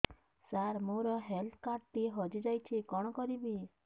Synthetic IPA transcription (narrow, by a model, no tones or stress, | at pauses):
saɾmoɾɔɦelt̪ʰkaɾʈ̚ʈiɦɔd͡ʒid͡ʒajt͡ʃʰikɔɽ̃ɔkɔɾibi